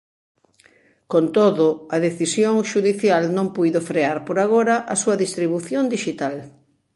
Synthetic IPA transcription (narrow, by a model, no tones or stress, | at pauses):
kont̪oðʊɐðeθisjoŋʃuðiθjalnõŋpujðofɾeaɾpoɾaɣoɾɐʔɐsuɐðist̪ɾiβuθjond̪iʃit̪al